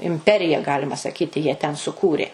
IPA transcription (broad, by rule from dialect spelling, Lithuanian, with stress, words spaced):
ɪmʲˈpʲæːrʲɪjɛ ˈɡɑːlʲɪmɐ sɐˈkʲiːtʲɪ jiɛ tʲɛn sʊˈkuːrʲeː